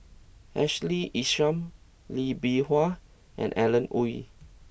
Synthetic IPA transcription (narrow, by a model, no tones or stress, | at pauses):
ɛʃliʔiʃãm | libihwa | ʔɛ̰̃nʔɛlə̃nuḭ